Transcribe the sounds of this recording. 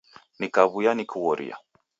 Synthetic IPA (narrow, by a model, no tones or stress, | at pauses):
nikaβujanikuwɔɾʔḭja̰